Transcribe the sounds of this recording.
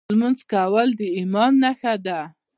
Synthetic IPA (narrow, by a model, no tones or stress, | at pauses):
lmanzkawəld̪əimɑnːaxad̪a